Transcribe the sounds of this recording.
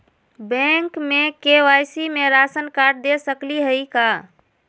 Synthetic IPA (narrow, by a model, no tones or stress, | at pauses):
bɛ̃ŋkmekeʋajsimeɾasənkaɾɖ̚d̪esəkliɦəika